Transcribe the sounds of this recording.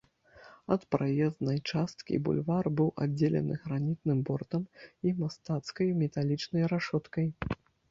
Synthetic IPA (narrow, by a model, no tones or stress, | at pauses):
ɐt̪pɾajɛznɐjt͡ʂast̪kʲḭbṵlʲvarbɨwa̰d͡zʲːelʲɛ̰nɨ̰ɣɾanʲit̪nɨmbɔrt̪ɐmimast̪at̪skɐjmʲɛt̪alʲit͡ʂnɐjɾaʂɔt̪kɐj